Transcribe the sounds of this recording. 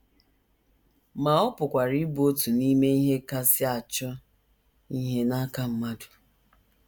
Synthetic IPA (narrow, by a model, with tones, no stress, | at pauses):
ma˨ɔ˦pʊ˨kʷa˨ɾi˦bu˨˦o˦tu˨ni˦me˦i˦ɦe˦ka˦sɪ˦a˨t͡ʃɔ˦ | i˦ɦe˦na˦ka˦m̩˦ma˦du˨